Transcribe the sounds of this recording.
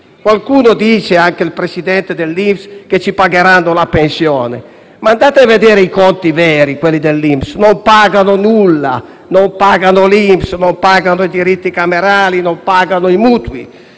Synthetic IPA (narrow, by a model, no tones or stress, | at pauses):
kwalkuːnod̪iːt͡ʃeaŋkeilpɾesid̪ɛnt̪ed̪elːimfsket͡ʃːipaɡeɾanːolapensjɔːnḛ | mand̪aːt̪eavːed̪ɛːɾeikɔnt̪ivɛːɾikwelːid̪elːimpsnompaːɡanʊnulːa̰ | nompaːɡanʊlimpsnompaɡanoid̪iɾit̪ːikameɾaːlinompaːɡanʊimuːt̪wḭ